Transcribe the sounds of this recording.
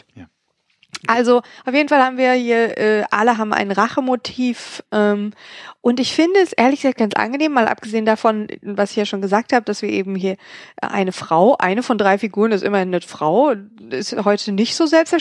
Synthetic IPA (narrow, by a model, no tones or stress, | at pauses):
ʔalzoʔaʊfjeːdn̩falhaːbm̩viːɐhiːɐʔɛːʔa̰ləɦaːbm̩ʔa̰ɪnʁaχəmotʰiːfʔɛːmʔʊntɪçfɪndəɛsʔeːɐlɪçɡəzak̚t̚ɡ̥ant͡sʔa̰nɡəneːmːaːlʔa̰p̚ɡ̥əzeːəndafɔnvasɪçjaːʃoːnɡəzaːk̚thaːbəd̥asv̥iːɐʔeːbm̩hiːɐʔʔa̰ɪnəfʁ̥aʊʔa̰ɪnəfɔndʁaɪfiɡuːʁ̞ənɪstʔɪmɐhɪnːəfʁ̥aʊɪ̰stɦɔʏtʰənɪçtz̥oːzɛlpstɛɐ